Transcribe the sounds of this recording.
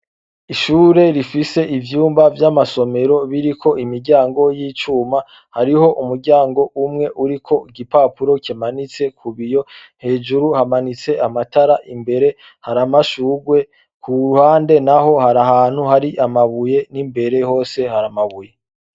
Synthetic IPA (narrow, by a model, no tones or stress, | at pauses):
iʃuːɾe̞ɾifise̞ʔivjuːmbavjamaso̞me̞ɾo̞βiɾikʰo̞imiɾɟaːŋɡo̞jiːt͡ʃuːma | haɾiho̞ʔumuɾɟaːŋɡo̞ʔumŋe̞ʔuɾikʰo̞iɡipaːpuɾo̞cimanit͡se̞kʰuβijo̞ | he̞ːd͡ʒuɾuhamanit͡se̞ʔamataɾaʔimbe̞ɾe̞ | haɾamaʃuːɡwe̞ | kʰuɾuhaːnde̞naɦo̞haɾaɦaːn̥huhaɾiʔamaβuje̞nimbe̞ɾe̞ho̞ːse̞haɾamaβuje